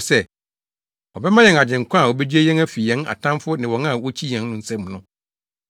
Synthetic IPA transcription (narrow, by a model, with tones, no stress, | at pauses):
sɛ˦˨ | ɔ˨bɛ˦mã˦jɛ˨ŋa˨d͡ʑɪ̃˨ŋ˨kʷʰã˦˨wɔ˨bɛ˦d͡ʑᶣi˦e˦jɛ̃˦næ˦fi˨ɛ̃˦na̰˨tʰã˦mfʊ˦nɪ̃˨wɔ̃˨ŋã˦˨wɔ˦t͡ɕʰi˦jɛ̃˨˦nnʊ̃˦n̩˨sɛ̃˦mnʊ̃˦